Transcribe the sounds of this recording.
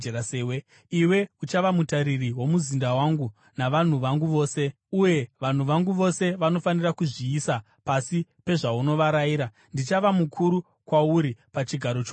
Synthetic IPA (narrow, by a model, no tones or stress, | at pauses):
eɾaseːwe | iwe̞ut͡ʃaʋamutaɾiriwo̞muzindawaŋɡu | naʋan̤uʋaŋɡuʋo̞ːse̞ | uje̞ʋan̤uʋaŋɡuʋo̞se̞ʋano̞fanirakuʐiːsa | pasipe̞ʐauno̞ʋaɾajiːɾa | ndit͡ʃaʋamukʰuɾu | kwauɾipat͡ʃiɡʱaɾot͡ʃ